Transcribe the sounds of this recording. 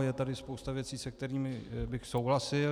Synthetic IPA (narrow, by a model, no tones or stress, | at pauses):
jɛt̪adɪspowst̪avjɛt͡siːsɛk̚t̪ɛɾiːmɪbɪxsowɦlasɪ